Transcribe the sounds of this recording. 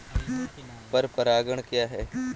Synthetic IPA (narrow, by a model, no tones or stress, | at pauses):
pɐɾpɐɾaːɡəɽ̃kjaːɦɛː